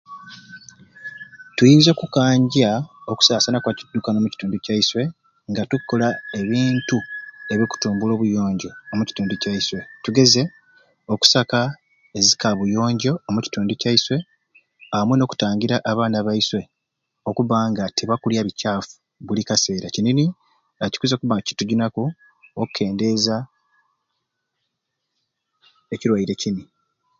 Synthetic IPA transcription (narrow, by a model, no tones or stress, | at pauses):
tujiːnzokukaːɲɟaoku̥saːsanakwacidːukano̞muci̥tuːnducaiswe̞ | ŋɡatukːo̞lae̞βiːntue̞βjo̞ku̥tuːmbulo̞ːβujo̞ːɲɟo̞ːmuci̥tuːnducaiswe̞tuɡe̞ze̞ | o̞ku̥saka | e̞zikaβujo̞ːɲɟo̞ːmuci̥tuːnducaiswe̞ | amweno̞ːku̥taːɲɟiɾaʔaβaːnaβaiswe̞ | o̞kuβaːŋɡatʰeβakuljaβicaːfu̥ | βulikase̞ːɾacinini | aci̥kuzekuβaci̥tuɟinaku | okukʰːe̞ːnde̞ːza | eciɾwaiɾe̞cini